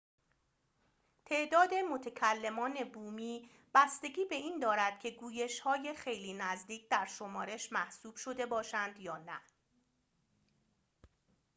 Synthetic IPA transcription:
t̪ʰe̞ʔd̪ɒːd̪e̞mo̞t̪ʰecʰælːe̞mɒːne̞buːmiː | b̥æst̪e̞ɡʲiːbe̞iːnd̪ɒːɾæd̪̥cʲʰe̞ɡuːje̞ʃhɒːje̞xe̞jliːnæzd̪iːcʰd̪æɾʃo̞mɒːɾe̞ʃmæhsuːb̥ʃo̞d̪e̞bɒːʃænd̪jɒːnæ

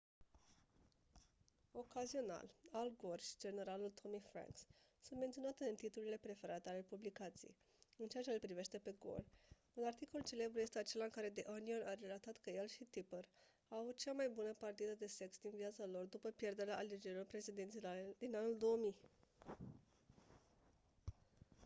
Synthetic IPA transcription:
o̞kazio̞na̰lalɡorʃi̥d͡ʒe̞ne̞ɾalult̪ʰo̞mifɾa̰ŋkssunt̪ment̪io̞nat̪eɨnt̪it̪ulile̞pɾe̞feɾat̪eale̞publikat̪sḭj | ɨnt͡ʃeat͡ʃe̞pɾive̞ʃt̪e̞pe̞ɡo̞̰l | unart̪iko̞lt͡ʃe̞le̞bɾuje̞st̪e̞at͡ʃe̞laɨŋkaɾe̞d̪eʔonionʔaɾe̞lat̪at̪kəje̞lʃit̪ipər | aavut̪̚t͡ʃamajbunəpart̪id̪əd̪e̞se̞ksd̪inviat̪salo̞rd̪upəpje̞rd̪e̞ɾeaʔːled͡ʒe̞ɾilo̞rpɾe̞t͡ʃid̪int̪ilad̪inanuld̪o̞wəmij

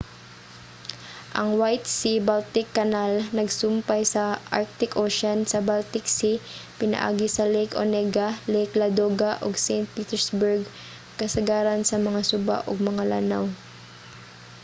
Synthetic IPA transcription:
ʔɐŋwajt̪̚sibalt̪ɪkːɐnalnɐɡsʊmpajsɐʔaɹk̚t̪ɪkʔoːʃɐnsɐbalt̪ɪksipɪnɐ̰ʔa̰ːɡɪsɐlejkonɛɡɐlɛjklɐd̪oːɡaʔo̰ɡsɛjnt̪̚piːt̪ɛɹsbʊɹɡ | kɐsɐɡaːɾɐnsɐmɐŋasʊba̰ʔoɡ̚mɐŋala̰naw

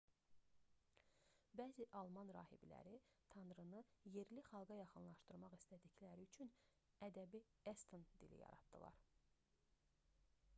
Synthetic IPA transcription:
bæːziʔɑlˠmɑnɾɑ̰ːhḭbilæ̰ɾit̪ʰɑnɾɯnɯje̞ɾliχɑlˠɡɑjɑχɯnlˠɑʃt̪ɯɾmɑʁist̪æd̪içlæɾiyt͡ʃʰyn | æd̪æbiest̪ʰɯnd̪ḭlḭjɑ̰ɾɑ̰d̪d̪̥ɯ̰lˠɑ̰ɾ

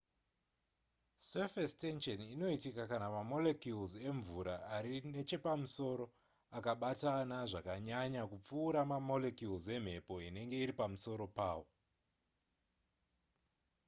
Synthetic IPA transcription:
sefestenʃonino̞itikakanamamo̞lekjulze̞ɱvuɾaːɾine̞t͡ʃe̞pamuso̞ɾo̞ | akaɓatanaʐakaɲaɲakup͡fuːɾamamo̞le̞kjulze̞m̤e̞po̞ine̞ŋɡe̞iɾipamuso̞ɾo̞paːwo̞

